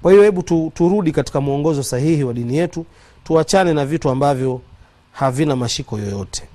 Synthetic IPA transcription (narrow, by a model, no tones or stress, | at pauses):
kwahijɔhɛɓututuɾuɗikati̥kamuɔŋɡɔzɔsahihiwaɗinijɛtu | tuat͡ʃanɛnavituambavjɔ | havinamaʃikɔjɔjɔtʰɛ̥